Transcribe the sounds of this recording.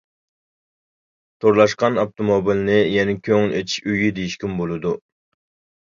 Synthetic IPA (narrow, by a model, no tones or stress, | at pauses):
t̪ʰoɾlˠɑʃqɑnɑpt̪omobilnɪjɛnɪkʲʰøŋlet̪ʰi̥ʃyjid̪ejiʃkʲymbolˠɨd̪u